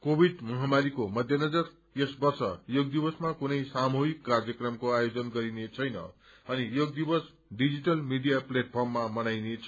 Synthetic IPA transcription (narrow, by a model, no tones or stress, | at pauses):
kobʱiɖmʌɦamaɾikomʌd̪ʱjʌnʌd͡zʌr | esbʌrsʌ̰joɡ̚d̪ibʌsmakunʌjsamuɦikːard͡zjʌkrʌmkoajod͡zʌnɡʌɾinet͡sʰʌjnʌ̰ | ʌnijoɡ̚d̪ibʌs | ɖid͡ziʈʌlmiɖijapleʈ̚pʰʌrmːamʌnajnet͡sʰ